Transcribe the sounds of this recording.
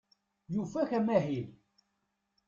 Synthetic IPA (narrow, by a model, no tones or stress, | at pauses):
jufæçæmæɦil